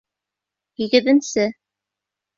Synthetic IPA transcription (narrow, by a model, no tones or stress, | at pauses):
hiɡɘ̆ðɘ̆nsɘ